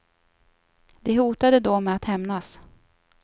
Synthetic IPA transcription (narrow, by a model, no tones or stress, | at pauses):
d̪ɛɦuːt̪ad̪əd̪ɔmɛat̪hɛmnas